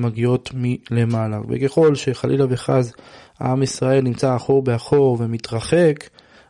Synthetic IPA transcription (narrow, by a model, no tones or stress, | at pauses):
maɡio̞tmile̞malavḛkeχo̞lʃe̞χalʔilave̞χazaamisʁae̞lnimt͡saːχo̞ʁbe̞aχo̞ʁve̞mit̪ʁaχe̞k